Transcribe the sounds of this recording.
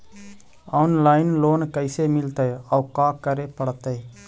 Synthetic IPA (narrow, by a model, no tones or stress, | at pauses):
ɔːnlaːɪnloːnkəɪsemɪlt̪eeɔukaːkəɾepəɽt̪ɛe